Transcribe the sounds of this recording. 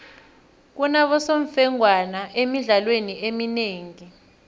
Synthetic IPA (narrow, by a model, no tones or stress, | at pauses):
k̬unaɓɔsoɱfɛŋwanaʔemiɮalweniemineːŋi